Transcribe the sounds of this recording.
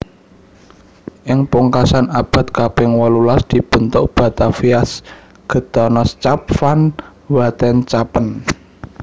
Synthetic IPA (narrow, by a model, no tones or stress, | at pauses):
ʔɪŋpuŋkasanab̥a̤t̪̚kapɪŋwɔlulasd̪̥i̤b̥ə̤nt̪ʊʔb̥a̤t̪afias | ɡ̥ə̤t̪ɔnɔst͡ʃap̚fan | wat̪ɛnt͡ʃapən